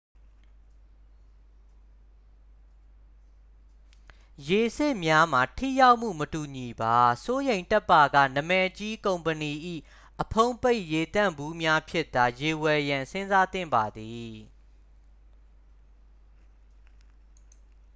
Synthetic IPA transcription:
je˨sɪ˦ʔmja˦m̥a˨tʰḭ˦˨ja˦ʊʔm̥ṵ˦˨mətu˨ɲi˨ba˨˦so˦jẽ˨ɪ̃ntɛ˦pːa˨ɡä̰˦˨nə˨mɛ˦˨ʔt͡ɕi˦kõ˨ʊ̃mpəni˨ʔḭ˦˨ | ʔəpʰõ˦ʊ̃pe˦ɪʔje˨t̪ã̰˦˨mbu˦mja˦pʰjɪ˦ʔt̪a˨je˨wɛ˨jã˨sɪ̃˦nza˦t̪ɪ̰̃˦˨mba˨d̪i˨

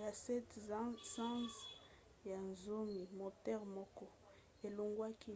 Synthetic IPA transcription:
a˨sɛ˦tsã˦s | ja˨nzo˦mi˨mo˨tɛ˦ʁmɔ˦kɔ˦ | e˨lo˨ŋɡwa˦ki˦

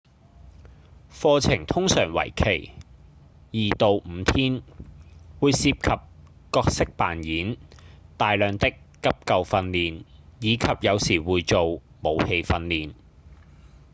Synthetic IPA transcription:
fɔː˧t͡sʰɪ˨˩ŋt̪ʰʊ˥ŋsœː˨˩ŋwɐ̰˨˩jkʰe˨˩j | jiː˨˩t̪o˨wm̩˨˧t̪ʰiː˥n | wuː˨˧jsiː˧˥p̚kʰɐ˨p̚ | kɔː˧k̚sɪ˥k̚paː˨njiː˨˥nt̪aː˨jlœː˨˧ŋt̪ɪ˥kːɐ˥p̚kɐ˨˧wfɐ˧nliː˨njiː˨˧kʰɐ˨p̚jɐ˨˧wsiː˨˩wuː˨˧jt͡so˨w | mo˨˧whe˧jfɐ˧nliː˨n

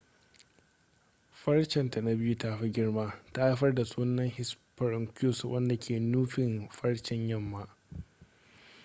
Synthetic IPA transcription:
ɸɐ˦ɽt͡ʃɛ˨nta˨na˦bɪ˦ju˦taː˦ɸi˦ɡʲɪ˦ɽmaː˦ta˦ʔa˦ɸɐ˦rda˨suː˦nɐ˦ŋhɪ˦spɐ˨ɾɪ˨ŋkʲuː˦˨swʔɐ˦nda˨kʲʰeː˨nuː˦ɸɪ˨nɸɐ˦ɽt͡ʃɪ˦ɲjɐ˦˨mːa˦ʔ

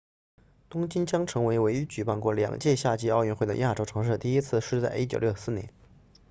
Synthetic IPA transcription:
t̪ʊ˥ŋt͡ɕi˥nt͡ɕjɑ˥ŋʈ͡ʂʰɤ˧˥ŋwe˧˥ɪwe˧˥ɪy˧˥t͡ɕy˨˩pa˥˧nkwɔ˥˩ljɑ̰˨˩ŋt͡ɕjɛ˥˧ɕja˥˩t͡ɕi˥ɑ˥˧ʊɥy˥˧nxwe˥˩d̪ə̰˩ja˥˩ʈ͡ʂo˥ʊʈ͡ʂʰɤ˧˥ŋʂɻ̩˥˧˩t̪i˥˩i˥t͡sʰɹ̩˥˧ʂɻ̩˥t͡sa˥˩ɪʔi˥t͡ɕjo˨˩ʊljʊsɹ̩˥˩njɛ̰˧˥˦n

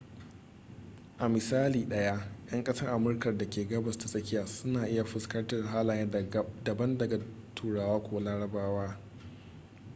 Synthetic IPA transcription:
ʔa˨mɪ˨saː˦liː˨ɗɐ˦ja˦j̰ɐ˦ŋkʼɐ˦sɐ˦rʔa˨mʊ˦rkɐ˨rda˨kʲeː˨ɡɐ˦bɐ˨sta˨sʼɐ˦kʲɪ˦jaː˨sʊ˦naː˨ʔɪ˦ja˨ɸɪ˨skɐ˦rtɐ˨rɦaː˦laː˨˦dɐ˨bɐ˦ndɐ˨ɡa˨ | tʰuː˨ɽaː˨waː˦kʷo˦laː˦ɽɐ˦baː˦waː˦

